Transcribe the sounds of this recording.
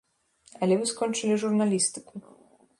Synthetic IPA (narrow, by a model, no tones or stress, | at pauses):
ɐlʲɛvɨskɔnt͡ʂɨlʲiʐurnalʲist̪ɨku